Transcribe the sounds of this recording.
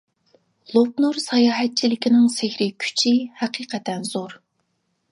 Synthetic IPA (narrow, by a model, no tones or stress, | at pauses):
lˠop̚nuɾsɑjɑːɦɛt̪̚t͡ʃʰilɪkʲinɪŋsɪxʲɾɪkʲʰy̥t͡ʃʰihæqʰiːqʰɛt̪ɛnz̥oɾ